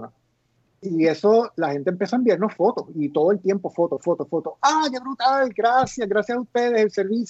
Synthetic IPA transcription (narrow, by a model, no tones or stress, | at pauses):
ie̞so̞lahe̞nt̪empje̞saembiaɾnosfo̞t̪osit̪o̞ð̞o̞e̞lt̪je̞mpo̞fo̞t̪osfot̪ofo̞t̪osad͡ʒaβɾut̪alɡɾasjasɡɾasjasaust̪e̞ð̞e̞selse̞ɾβis